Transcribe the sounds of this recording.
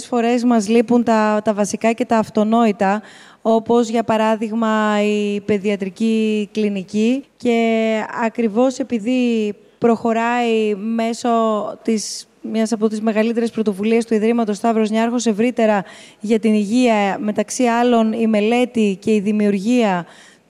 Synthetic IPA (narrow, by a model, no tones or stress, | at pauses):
sfo̞ɾe̞zmɐzlipunt̪ɐt̪ɐvɐsikɐce̞t̪ɐːft̪o̞no̞it̪ɐ | o̞po̞zʝɐpɐɾɐðiɣmɐipe̞ðiɐt̪ɾiciklinicice̞ɐkɾivo̞se̞piði | pɾo̞xo̞ɾɐime̞sot̪is | mɲɐsɐpot̪izme̞ɣɐlit̪e̞ɾe̞spɾo̞t̪o̞vuliest̪uiðɾimɐt̪o̞st̪ɐvɾo̞zɲɐɐɾxo̞se̞vɾit̪e̞ɾɐʝɐt̪iniʝiɐme̞t̪ɐksiɐlo̞nime̞le̞t̪ice̞iðimiuɾʝiɐ